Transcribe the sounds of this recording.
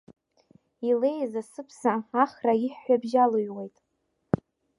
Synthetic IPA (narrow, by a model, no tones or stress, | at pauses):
ile̞jazasɨpʰsaːχraiħːʷabʒalojwe̞jtʼ